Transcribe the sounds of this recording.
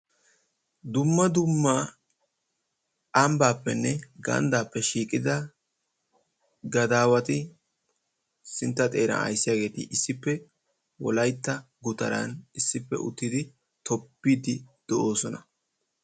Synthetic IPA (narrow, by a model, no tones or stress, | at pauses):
d̪ʊmːɐd̪ʊmːa | ɐmbaːpːɛnːɛɡɐ̰nd̪aːpːɛʃiːkʼɪd̪ɐ | ɡɐd̪aːwɐt̪ɪ | sɪnt̪ːɐt̪ʼe̞ːɾɐ̰nɐ̰jsːɪjaːɡe̞ːt̪ɪ̰ʔɪsːɪpːɛ | wɔlɐjt̪ːɐ | ɡʊt̪ɐɾɐ̰nɪsːɪpːɛ̰ʔʊ̰t̪ːɪd̪ɪ | t̪ʰɔpːiːd̪ɪd̪̥ɛʔo̞ːsɔnɐ